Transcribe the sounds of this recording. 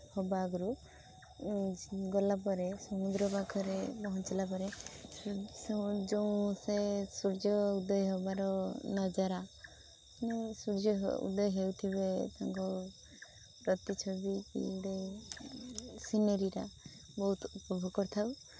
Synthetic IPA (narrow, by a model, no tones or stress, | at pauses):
hɔbaɡɔɾu | ɡɔlapɔɾesɔmud̪ɾɔbakʰɔɾebɔɦɔnt͡ʃɔlapɔɾe | sd͡ʒoũsesuɾd͡ʒɔud̪ɔjɔɦebaɾɔnɔd͡ʒaɾa | nisuɾd͡ʒɔɦṵd̪ɔjɔɦewt̪ʰibet̪aŋkɔ | ɾɔt̪it͡ʃʰobikḭuɽe | sineɾiɾa | bɔɦut̪upɔbʱoɡɔɾt̪ʰaw